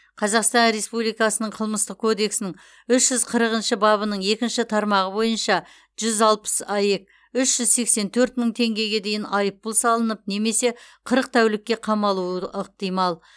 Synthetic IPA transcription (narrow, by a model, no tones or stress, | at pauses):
qʰɑzɑqst̪ɑnɾe̞spublijkɑsənəɴqʰəlˠməst̪əq̚kʰo̞d̪e̞ksɪnɪŋ | ʏʃʒ̥ʏzqʰəɾəʁənʃɪbɑβənəɴe̞kʲɪnʃɪt̪ʰɑɾmɑʁəbo̞jənʃɑ | ʒ̥ʏzɑlˠpə̥sɑje̞k̚ | ʏʃʒ̥ʏzse̞kse̞nt̪ʰɵɾt̪məɴt̪ʰe̞ŋɡʲe̞ɡʲe̞d̪e̞jɪnɑjəpːʊlˠsɑlˠənəp̚ne̞me̞se̞qʰəɾəq̚t̪ʰæwlɪkʲːe̞qʰɑmɑlˠuwəʔəq̚t̪ijmɑlˠ